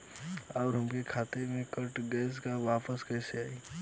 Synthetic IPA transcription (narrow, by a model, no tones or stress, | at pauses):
ɔːɾɦəmkekʰaːt̪emẽkəɾʈɡɛːskaʋaːpəskɛɦseaːiː